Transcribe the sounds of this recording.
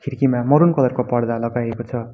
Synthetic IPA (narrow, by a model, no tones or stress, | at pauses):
kʰiɾkimamʌɾunkʌlʌrkopʌɽd̪alʌɡajekot͡sʰʌ